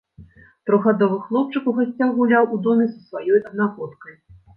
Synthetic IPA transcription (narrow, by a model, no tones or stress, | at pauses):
t̪ɾɔɣɣad̪ɔvɨxlˠɔp̚t͡ʂɨkuɣasʲt͡sʲawɣulʲawʔud̪ɔmʲisɐsvajɔjɐd̪̚naɣɔt̪kɐj